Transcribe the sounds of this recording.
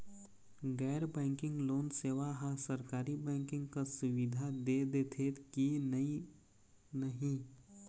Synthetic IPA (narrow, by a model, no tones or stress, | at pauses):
ɡɛːɾbɛ̃ːŋkɪ̃ŋɡloːnseːʋaɦãsəɾkaːɾibɛ̃ːŋkɪ̃ŋɡkasʊʋɪd̪ʱad̪ed̪et̪ʰeːt̪kini | nəɦĩ